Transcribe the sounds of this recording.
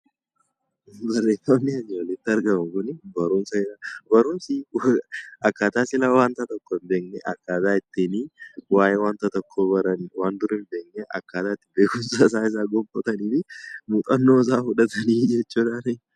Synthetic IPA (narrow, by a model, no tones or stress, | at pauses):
bɐrːeːfɐnːɪɐɲːɐlɛt̪ːɪɐɾɡɐmɐŋkʊnɪbɐɾʊmsɐhɪɾabɐɾʊmsiwɐkːaːt̪aːsɪlawaːnt̪ɐt̪ɔkːoɪmbe̞ːknɛʔɐ̰kːaːt̪aːɪt̪ːɪniːwaːjɛwaːnt̪ɐt̪ɔkʰːoːɐɾɐnwaːnd̪ʊɾɪmbe̞ːknɛʔɐ̰kːaːt̪aːt̪ːɪbeːkʊmsɐsaːɪs̬aːɡɔmfɐt̪ɐniːfɪmuːt̪ʼɐnːos̬aːhʊᶑɐt̪ɐniːd͡ʒɛt͡ʃːuːᶑ̪anɛ